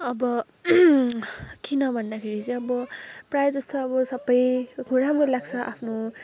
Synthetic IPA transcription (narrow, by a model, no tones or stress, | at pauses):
ʌbʌ | kinʌbʱʌnd̪akʰeɾit͡sʌj̃ʌbʌprajed͡zʌst̪oʌbʌsʌbːʌjɡʰʱuɽamkolaɡt͡sʰʌʔa̰pʰno